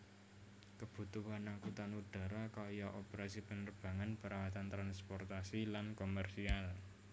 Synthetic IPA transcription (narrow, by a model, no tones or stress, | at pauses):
kəb̥ṳt̪uɦanaŋkut̪anuɖ̥a̤ɾakajɔʔopəɾasipənərb̥a̤ŋanb̥əɾawat̪ant̪ɾanspɔrt̪asilankomɛrsial